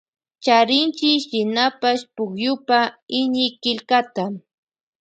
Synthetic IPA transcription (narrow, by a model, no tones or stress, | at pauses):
t͡ʃaɾɪnt͡ʃɪʃɪnapaʃpʊkjʊpaɪɲɪkɪʎkat̪a